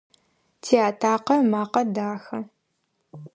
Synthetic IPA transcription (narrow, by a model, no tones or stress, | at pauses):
tʰiaːtʰaːqɐmaːqɐdaːxɐ